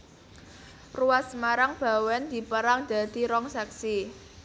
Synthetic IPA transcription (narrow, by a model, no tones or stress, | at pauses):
ruwasmaɾaŋb̥a̤wɛnd̪̥i̤pəɾaŋd̪̥ä̤d̪̥i̤ɾɔŋsɛksi